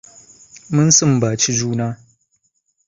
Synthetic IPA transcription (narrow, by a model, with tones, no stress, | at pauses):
mɨ˦nsɨ˦˨m˨baː˨t͡ʃi˦d͡ʒuː˦naː˦